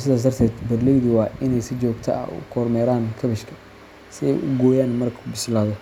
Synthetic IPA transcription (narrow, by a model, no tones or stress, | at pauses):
s̬ɪðaːs̬d̪ɐrt̪ʰɛːd̪bɐdlɛjðɪwɑːɪnɛjsɪd͡ʒɔːɡt̪ʰɐ̰ɐ̰ʊ̰kʰɔːɾmɛːɾaːnkʰɐβɪʃkʰɐ̥ | sɪɛ̰jʔʊɡɔːjaːnmɐrkʰʊbɪslaːðɔ